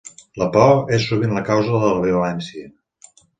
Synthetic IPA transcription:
ləpɔesːuβinləkawzəðəlβeuɛnsiə

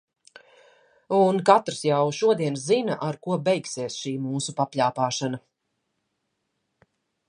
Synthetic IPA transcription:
unkat̪ɾsjawʃuɔd̪iɛnszinaʔaɾkuɔbɛjksiɛsʃiːmuːsupapʲʎʲaːpaːʃana

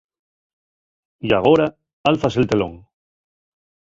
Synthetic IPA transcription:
jaɣ̞oɾa | alfase̞lt̪e̞lo̰ŋ

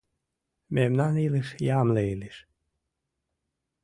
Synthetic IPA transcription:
memnaniliʃjamleiliʃ

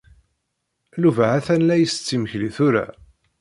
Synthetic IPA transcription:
luvaʕæθænlæjəst͡sːiməçliθuɾæ̰

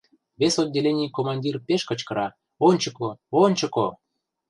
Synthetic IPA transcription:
βesod̪̚ʲːelʲenʲijkomɑnʲdʲirpeʃkə̆t͡ɕkɤ̆ɾɑ | onʲt͡ɕə̆koonʲt͡ɕə̆ko

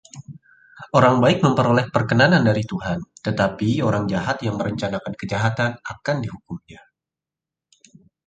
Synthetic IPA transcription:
ʔoɾaŋbaɪk̚məmpəɾolɛhpərkənanandaɾit̪uɦant̪ət̪apioɾaŋd͡ʒaɦat̪jaŋməɾəɲt͡ʃanakankəd͡ʒaɦat̪anakandiɦukʊmɲa

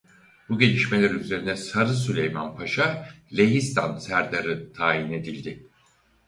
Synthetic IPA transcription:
buɟe̞lʲiʃme̞lʲæɾyze̞ɾinɛsaɾɯsylʲejmanpʰaʃalʲe̞ɦist̪ʰansæɾd̪aɾɯt̪ʰaːjine̞d̪ilʲd̪ɪ

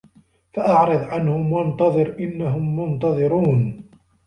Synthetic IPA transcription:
faʔɑʕɾɨðˤʕanhʊmwɑnt̪ɑðˤɨɾʔɪnːaɦʊmːʊnt̪ɑðˤɨɾuːn

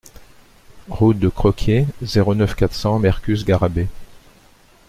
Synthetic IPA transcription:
ʁut̪̚d̪əkχɔkʲʰjezeʁonœfkat̪χsɑ̃mɛʁkʲysɡaʁabe

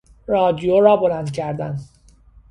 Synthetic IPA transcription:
ɾɒːd̪ijoɾɒːbolænd̪̚cʰæɾd̪æn

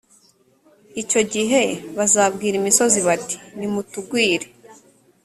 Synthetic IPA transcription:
ico̞ɟiɦe̞βazaːbɡiːɾimiso̞ziβati̥nimutuɡwiːɾe

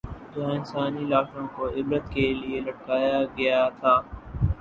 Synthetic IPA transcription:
d͡ʒʊɦãɪnsaːnilaːʃõkoɪbɾət̪kelielɐʈkaːjaɡɐjat̪ʰaː

